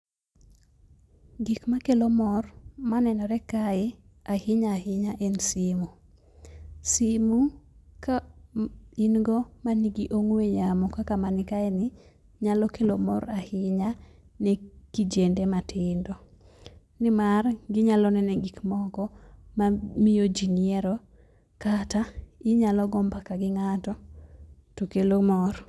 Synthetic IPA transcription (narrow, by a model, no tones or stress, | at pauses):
ɡikmakelomɔrmanɛnɔɾɛkaɪ | ahɪɲahɪɲaʔensimu | simuka | inɡomaniɡiʔoŋwejamɔkakamanɪkaenɪ | ɲalɔkelomɔɾahɪɲa | nɛkid͡ʒendematɪndɔ | nɪmarɡɪɲalɔnɛnɛɡikmɔɡɔmamijod͡ʒiniɛɾo | kataɪɲalɔɡɔmbakaɡɪŋatɔ | tokelomɔr